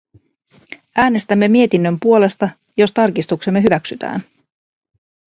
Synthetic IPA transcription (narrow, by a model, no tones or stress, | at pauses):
ʔæːne̞st̪æmːe̞mie̞t̪inːømpuole̞st̪ɑ | jo̞st̪ɑrkist̪ukse̞mːe̞ɦyʋæksyt̪æ̰ːn